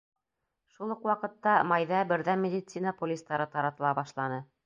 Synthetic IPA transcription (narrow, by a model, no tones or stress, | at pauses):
ʃulˠɤqwɑqɤ̆t̪ːɑmɑjðɑbɘ̆ɾðæmʲed̪ʲɪt̪sinɑpolʲist̪ɑɾɤɑɾɑt̪ɤ̆lˠɑbɑʃlˠɑnɤ